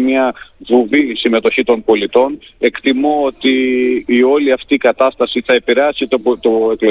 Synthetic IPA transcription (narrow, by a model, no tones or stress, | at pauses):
mɲɐvuvisime̞t̪o̞çit̪o̞npo̞lit̪o̞ne̞kt̪imo̞ot̪iː | o̞liɐft̪iːkɐt̪ɐst̪ɐsiθɐe̞piɾeɐsit̪t̪oe̞klo